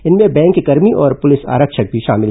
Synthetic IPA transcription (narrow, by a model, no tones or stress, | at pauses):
ɪnmẽbɛ̃ːŋkːekɐɾmiʔɔːɾpʊlɪsa̰ːɾəkʃək̚bʱiʃa̰ːmɪl